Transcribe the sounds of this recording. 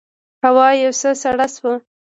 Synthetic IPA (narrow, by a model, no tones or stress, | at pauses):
hawɑjawsəsaɽaswə